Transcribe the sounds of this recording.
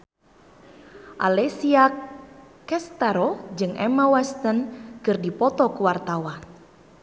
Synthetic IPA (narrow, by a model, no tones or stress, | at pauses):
ʔa̰lɛsiak | ɛst̪aɾɔd͡ʒɨŋʔɛmawɛst̪ənkɨrdipɔt̪ɔkuwart̪awan